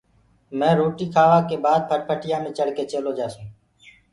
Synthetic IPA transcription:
mɛ̃ːɾoːʈiːkʰaːʋãːkeːbaːd̪̚pʰəʈ̚pʰəʈɪjãːmẽːt͡ʃəɽkeːt͡ʃeːloːd͡ʒaːsũː

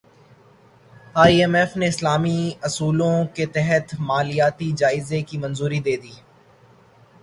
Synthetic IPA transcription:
aːiɛːmɛːfneɪslaːmiɐsuːlõket̪ɛɦət̪maːlijaːt̪id͡ʒaːɪzekimɐ̃nzuːɾid̪eːd̪iː

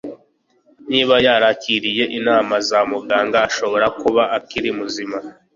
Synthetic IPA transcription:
niːβajaɾaciɾije̞ʔinaːmazamuɡaːŋɡaːʃo̞βo̞ɾakuβaʔakiɾimuzima

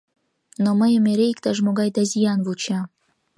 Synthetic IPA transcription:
noməjə̆meɾeikt̪ɑʒmoɡɑjd̪ɑzijɑnvut͡ɕɑ

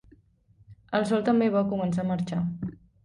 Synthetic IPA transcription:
əlˠsɔlˠt̪əmbeβakumənsaməɾt͡ʃa

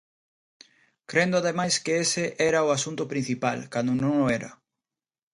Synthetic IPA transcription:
kɾend̪ʊaðemajskeesɪʔɛɾɐʊasunt̪ʊpɾin̟θipa̰lkand̪ʊnõŋoɛɾɐ̰

